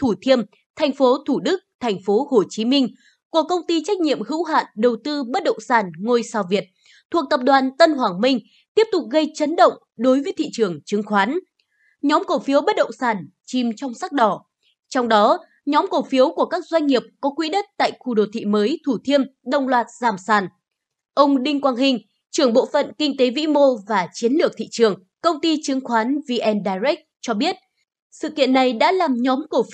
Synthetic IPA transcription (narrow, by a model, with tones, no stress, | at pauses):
t̪ʰu˧˩t̪ʰi˧əm | t̪ʰjŋ̟fo˨˦t̪ʰu˧˩ɗɨ˦˥k̚t̪ʰɛ˨˩jŋ̟fo˨˦ho˧˩t͡ɕi˨˦mï˧ŋ̟ | ku˧˩əkə˧wŋ͡mt̪i˧t͡ɕa˦˥k̟̚ɲḭ˧˨əmhɨ̰˧˥wɦa̰ː˧˨nɗə˨˩wt̪ɨ˧ɓə˦˥t̚ɗə̰˧˨wŋ͡msaː˧˩nŋo˧jsaː˧˩wvi˨˩ət̚ | t̪ʰu˨˩ək̚t̪ə˨˩p̚ɗwaː˨˩nt̪ə˧nɦwaː˨˩ŋmï˧ŋ̟ | t̪i˦˥əp̚t̪ʊ˨˩k͡p̚ɣə˧jt͡ɕə˨˦nɗə̰˧˨wŋ͡m | ɗo˨˦jvəː˨˦jt̪ʰḭ˧˨t͡ɕɨ˨˩əŋt͡ɕɨ˨˦ŋxwaː˨˦n | ɲɔ˨˦mkə˧˩fi˨˦əwɓə˦˥t̚ɗə̰˧˨wŋ͡msaː˧˩n | t͡ɕi˨˩mt͡ɕɔ˧wŋ͡msa˦˥k̚ɗɔ˧˩ | t͡ɕɔ˧wŋ͡mɗɔ˨˦ | ɲɔ˨˦mkə˨˩wfi˨˦əwku˧˩əkaː˦˥k̚zwa˧jŋ̟ŋi˨˩əp̚kɔ˨˦kwḭ˧˥ɗə˦˥t̚t̪a̰ː˧˨jxu˧˩ɗo˨˩t̪ʰḭ˧˨məː˨˦jt̪ʰu˧˩t̪ʰi˧əmɗə˧wŋ͡mlwaː˨˩t̚zaː˧˩msaː˧˩n | ʔə˧wŋ͡mɗï˧ŋkwaː˧nɦï˧ŋ̟ | t͡ɕɨ˧˩əŋɓo̰˧˨fə̰˧˨nkï˧ŋ̟t̪e˨˦vḭ˧˥mo˧vaː˨˩t͡ɕi˨˦ənlɨ˨˩ək̚t̪ḭ˧˨t͡ɕɨ˨˩əŋ | kə˧wŋ͡mt̪i˧t͡ɕɨ˨˦ŋxwaː˨˦nvi˧ʔɛ˧nɗaː˧jzɛ˦˥k̚t͡ɕɔ˧ɓi˦˥ət̚ | sɨ̰˧˨kḭ˧˨ənːa˨˩jɗa̰ː˧˥laː˨˩mɲɔ˨˦mkə˧˩f